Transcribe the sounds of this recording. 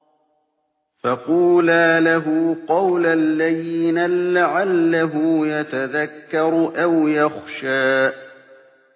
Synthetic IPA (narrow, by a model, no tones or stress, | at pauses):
fɑquːlaːlaɦʊːqɑwlalːaðiːnaːaʕalːaɦʊːjat̪aðakːɑɾˤʔawjaxʃaː